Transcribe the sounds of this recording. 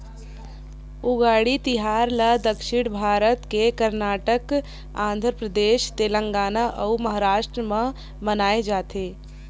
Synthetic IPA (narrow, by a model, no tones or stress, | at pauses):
ʊɡaːɽit̪ɪɦaːɾləd̪əkʃɪɽ̃bʱaːɾət̪kekəɾnaːʈək | ã̰ːnd̪ʱɾpɾəd̪eːʃt̪eːlə̃ŋɡaːnaʔəumɐɦaɾaːʃʈɾəmã | mənaːed͡ʒaːt̪eː